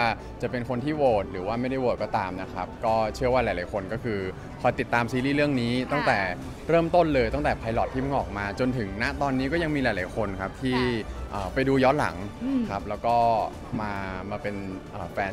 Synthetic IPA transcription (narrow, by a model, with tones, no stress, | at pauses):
a˥˩ | t͡ɕa˨˩pe˧nkʰo˧nt̪ʰiː˥˩woː˨˩t̪̚ɾɯː˩˦waː˥˩ma˥˩jda˥˩jwoː˨˩t̪̚kɔː˥˩t̪aː˧mna˦˥kʰa̰˦˥p̚kɔː˥˩t͡ɕʰɯ˥˩əwaː˥˩lːa˨˩˦jla˨˦jkʰo˧nkɔː˥˩kʰɯː˧ | kʰa˧t̪i˨˩t̪ːaː˧msiː˧liː˥˩lɯ˥˩əŋniː˦˥t̪ɔ˥˩ŋt̪ɛː˨˩ | ɾɤː˥˩mt̪o˥˩nlɤː˧jt̪ɔ˥˩ŋt̪ɛː˨˩pʰa˧jlɔ˨˩t̪ʰːiː˥˩ma˥˩nʔɔː˨˩k̚maː˧t͡ɕo˧nt̪ʰɯ˩˦ŋna˦˥ʔt̪ɔː˧nːiː˦˥kɔː˥˩ja˧ŋmiː˧laː˨˩˦jla˨˩˦jkʰo˧nkʰa˦˥p̚t̪ʰiː˥˩ʔəː˨˩pa˧jduː˧jɔ˦˥t̪̚la̰˩˦ŋkʰa˦˥p̚lɛː˦˥wkɔː˥˩ | maː˧maː˧pe˧nʔəː˨˩fɛː˧